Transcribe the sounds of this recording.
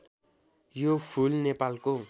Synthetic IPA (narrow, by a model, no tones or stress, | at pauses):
jopʰulnepalko